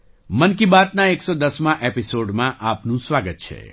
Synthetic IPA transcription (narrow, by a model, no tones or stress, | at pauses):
mənkibaːt̪naeksɔd̪əsmãʔepisoːɖmãʔaːpnũsʋaːɡət̪̚t͡ʃʰḛ